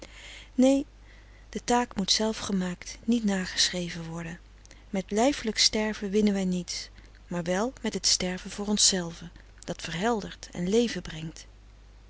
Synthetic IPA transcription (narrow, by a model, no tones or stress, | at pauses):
nej | d̥ətaːkmutsɛlˠfχəmaːktnitnaːχə̥srejvənʋɔɹdən | mɛtlɛjfələkstɛɹvənʋɪnənʋɛjnits | maːɹʋɛlˠmɛtɦətstɛɹvənvʊːrɔnsɛlˠvə | d̥ɑtfəɹɦɛlˠdəɹtɛ̰nlejvəbrɛŋt